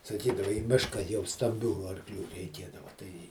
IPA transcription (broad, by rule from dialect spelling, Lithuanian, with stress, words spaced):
sɐˈkʲiːdɐʋɐ iː ˈmʲɪʃkɐ jɛʊ stɐmʲˈbʲuː ɐrˈklʲuː rʲɛɪˈkʲeːdɐʋɐ ˈtɐɪ